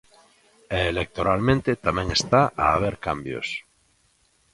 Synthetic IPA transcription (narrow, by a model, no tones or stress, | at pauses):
eːlek̚t̪oɾalmẽnt̪et̪amẽŋest̪aaːβ̞eɾkambjo̰s